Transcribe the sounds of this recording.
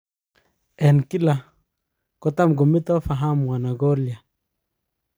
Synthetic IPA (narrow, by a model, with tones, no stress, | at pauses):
e˨nki˦la˨ | ko˦˨ta˦mɡu˨mi˦t̪o˦fa˨ɦa˦m˨wa˨na˨ɡo˦li˨ja˨